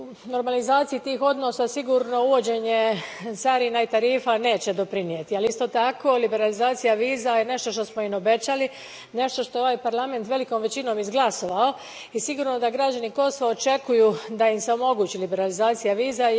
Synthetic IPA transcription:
u | no̞ɾmalizaːt̪sijit̪iːxo̞d̪no̞ːsasiɡuːɾno̞uʋo̞d͡ʑe̞ɲesaɾinait̪aɾiːfane̞ːt͡ɕe̞d̪o̞pɾinjet̪ialist̪o̞t̪ako̞libe̞ɾalizaːt̪sijaʋiːzaje̞ne̞ʃt̪o̞ʃt̪o̞smoino̞be̞t͡ɕali | ne̞ʃt̪o̞ʃt̪oeo̞ʋajpaɾlˠame̞nt̪ʋe̞likomʋe̞t͡ɕino̞mizɡlaso̞ʋao̞ | isiɡuːɾno̞d̪aɡɾad͡ʑaniko̞soʋaot͡ʃe̞kujud̪aimseo̞mo̞ɡuːt͡ɕilibe̞ɾalizaːt̪sijaʋiːza

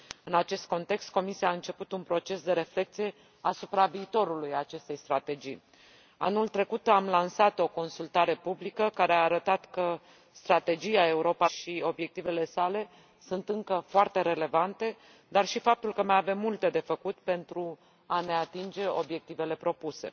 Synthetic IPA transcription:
ɨnat͡ʃe̞st̪̚ko̞nt̪e̞kst̪̚ko̞misiaɨnt͡ʃe̞put̪unpɾo̞t͡ʃe̞sd̪e̞ɾe̞fle̞k̚t̪sije̞ | asupɾaviːt̪o̞ɾulujat͡ʃe̞st̪e̞jst̪ɾat̪e̞d͡ʒḭj | a̰nult̪ɾe̞kut̪amlansat̪o̞ko̞nsult̪aɾe̞publikəkaɾeaːɾət̪at̪kə | st̪ɾat̪e̞d͡ʒiae̞uɾo̞paʃio̞bje̞k̚t̪ive̞le̞sale̞ | sunt̪ɨŋkəfoart̪e̞ɾe̞le̞vant̪e̞ | d̪arʃifap̚t̪ulkəmajave̞mːult̪e̞d̪e̞fəkut̪pe̞nt̪ɾu | ane̞at̪ind͡ʒe̞o̞bje̞k̚t̪ive̞le̞pɾo̞puse̞̰

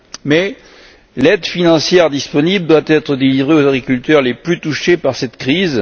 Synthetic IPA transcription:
mɛ | lɛd̪finɑ̃sjɛʁd̪ispɔnibld̪wat̪ɛt̪χəd̪elivʁeozaɡʁikʲylt̪œʁleplyt̪uʃepaʁsɛt̪kχiz

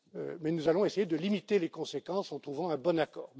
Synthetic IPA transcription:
ø̰mɛnuzalɔ̃esejed̪əlimit̪elekɔ̃sekɑ̃sɑ̃t̪χuvɑ̃ɛ̃bɔnakɔːʁ

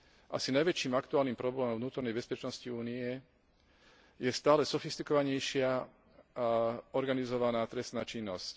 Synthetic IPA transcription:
ʔa̰sinajʋɛt͡ʃiːmakt̪uaːlniːmpɾɔblɛːmɔmvnuːt̪ɔɾnɛjbɛspɛt͡ʃnɔsciuːniɛ | jɛst̪aːlɛsɔfist̪ikɔʋaɲɛjʃɪa | ɔɾɡanizɔʋanaːt̪ɾɛst̪naːt͡ʃinːɔsc

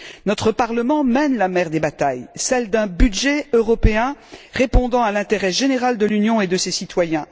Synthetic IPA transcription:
nɔt̪χəpaʁləmɑ̃mɛnlamɛʁd̪ebat̪ajsɛld̪ɛ̃byd̪ʒɛøʁɔpeɛ̃ʁepɔ̃d̪ɑ̃alɛ̃t̪eʁɛʒeneʁald̪əlynjɔ̃ed̪əsesit̪wajɛ̃

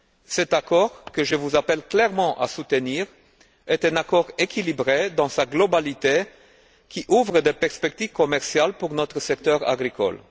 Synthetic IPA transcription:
sɛt̪akɔʁkəʒəvuzapɛlklɛʁmɑ̃ʔa̰sut̪əniːʁ | ɛt̪ɛ̃nakɔʁekʰʲilibʁed̪ɑ̃saɡlɔbalit̪e | kʲiʔuvʁəd̪epɛʁspɛk̚t̪iv̥kɔmɛʁsjalpuʁnɔt̪χəsɛk̚t̪œʁa̰ɡʁikɔ̰l

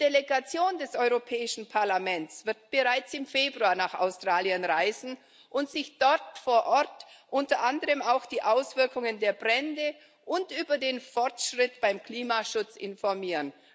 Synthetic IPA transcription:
d̥eleɡat͡sjoːndɛsʔɔʏʁopʰɛːɪʃn̩pʰaɐlamɛnt͡sv̥ɪɐt̚b̥əʁaɪt͡sɪmfeːbʁuaːɐnaːχa̰ʊstʁ̥aːljənʁaɪzn̩ | ʔʊntz̥ɪçd̥ɔʁtfoːɐʔɔɐtʔʊntɐʔandəʁəmaʊxd̥iːʔaʊsv̥ɪɐkʊŋəndeːɐbʁɛndə | ʔʊntʔyːbɐdeːnfɔɐtʃʁ̥ɪtb̥aɪmkl̥iːmaʃʊt͡sɪ̰nfɔʁmiːʁən

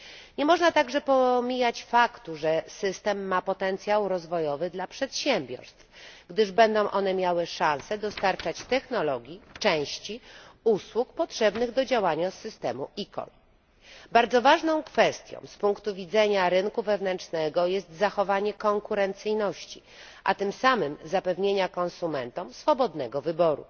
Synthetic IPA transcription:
ɲɛmɔʐnat̪aɡʐɛpɔmʲijat͡ɕfakt̪uʐɛsɘst̪ɛmːapɔt̪ɛnt̪sʲjawɾɔzvɔjɔvɘd̪lapʂɛt̪ɕɛmbʲjɔ̰ɾst̪fɡd̪ɘʐbɛnd̪ɔ̃w̃ʔɔn̪ɛmʲjawɘʂãñsɛd̪ɔst̪aɾt͡ʂat͡ɕt̪ɛxnɔlɔɡʲjit͡ʂɛ̃w̃ɕt͡ɕiuswukpɔtʂɛbnɘɣd̪ɔd͡ʑawaɲasːɘst̪ɛmuikɔ̰l | baɾd̪zɔvaʐnɔ̃w̃kfɛst̪ʲjɔ̰̃w̃spuŋkt̪uvʲid̪zɛɲaɾɘnkuvɛvn̪ɛnt͡ʂnɛɡɔjɛst̪zaxɔvaɲɛkɔŋkuɾɛnt̪sɘjnɔɕt͡ɕi | ʔa̰t̪ɘmsamɘmzapɛvɲeɲakɔ̃nsumɛnt̪ɔmsfɔbɔd̪nɛɡɔvɘbɔɾṵ

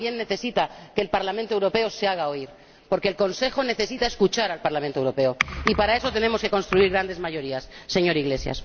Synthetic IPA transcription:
jenːe̞θe̞sit̪ake̞ːlpaɾlamẽnt̪o̞wɾo̞pe̞o̞seaɣ̞aoiɾ | po̞ɾkeːlko̞nse̞xo̞ne̞θe̞sit̪aeskut͡ʃaɾalpaɾlamẽnt̪owɾope̞o̞ipaɾae̞so̞t̪e̞ne̞mo̞ske̞ko̞nst̪ɾuiɾɣɾand̪e̞zmaʝo̞ɾiasːe̞ɲo̞ɾiɣle̞sja̰s

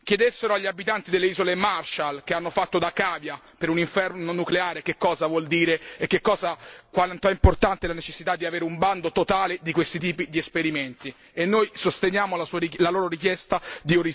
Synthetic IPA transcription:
k̟jed̪esːeɾoaʎːiabit̪ant̪id̪elːeiːzolemarʃalkeanːofat̪ːod̪akaːvja | peɾuniɱfɛrnonukleaːɾek̟ekːɔːzavwɔld̪iːɾeekːekːɔːzakwant̪oɛimport̪ant̪elanet͡ʃesːit̪ad̪ːiaveːɾumband̪ot̪ot̪aːled̪ikwest̪it̪iːpid̪iespeɾiment̪i | enːojsost̪enjaːmolasulaloːɾoɾik̟jɛst̪ad̪ioɾi

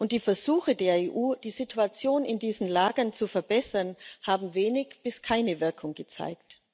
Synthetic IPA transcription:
ʔʊnt̚d̥iːfɛɐzuːxədeːɐeːʔuːd̥iːzitʰuat͡sjoːnɪndiːzn̩laːɡɐnt͡sufɛɐbɛsɐnhaːbm̩veːnɪçb̥ɪskʰaɪnəvɪɐkʰʊŋɡət͡sa̰ɪkt

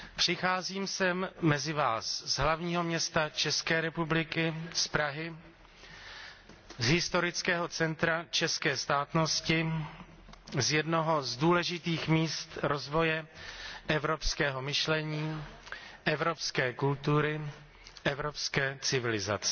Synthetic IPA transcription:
pr̝̥ɪxaːziːmsɛmːɛzɪvaːszɦlavɲiːɦo̞mɲɛst̪at͡ʃɛskɛːɾɛpublɪkɪspɾaɦɪ | zɦɪst̪o̞ɾɪt͡skɛːɦo̞t͡sɛnt̪ɾat͡ʃɛskɛːst̪aːt̪no̞scɪ | zjɛdnoɦo̞zduːlɛʒɪt̪iːxmiːst̪ɾo̞zvo̞jɛʔɛvɾo̞pskɛːɦo̞mɪʃlɛɲiː | ʔɛvɾo̞pskɛːkult̪uɾɪ | ʔɛvɾo̞pskɛːt͡sɪvɪlɪza̰t͡sɛ

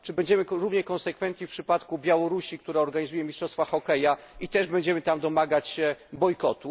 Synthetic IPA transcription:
t͡ʂɘbɛɲd͡ʑɛmɘɾuvɲɛkɔnsɛkfɛnt̪ɲifpʂɘpat̪kubʲjawɔɾuɕikt̪uɾaɔɾɡaɲizujɛmʲistʂɔst̪faxɔkɛjait̪ɛʐbɛɲd͡ʑɛmɘt̪amd̪ɔmaɡat͡ɕbɔjkɔ̰t̪u

